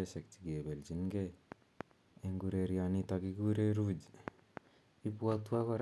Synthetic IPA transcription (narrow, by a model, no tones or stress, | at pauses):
esek̚t͡ʃiɡebeld͡ʒinɡe | eŋɡuɾeɾianit̪aɡiɡuɾeɾud͡ʒ | ipuatuakaɾ